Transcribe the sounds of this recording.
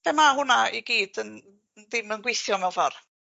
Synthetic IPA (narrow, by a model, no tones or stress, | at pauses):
b̥emaɦʊnaiɡiːd̥ən | ðɪmənɡwɪθjɔmɛwfɔr